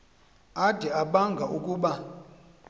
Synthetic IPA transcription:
ad̥ʱɛaɓaŋɡʱaʔukʼuːɓa

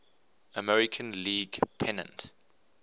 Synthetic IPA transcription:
əmɛɹɪkʰə̃nliːɡpʰɛnə̰̃nt

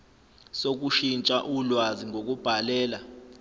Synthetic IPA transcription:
sok̬uʃint͡ʃʼaʔulwaziŋok̬ub̥ʱalɛːla

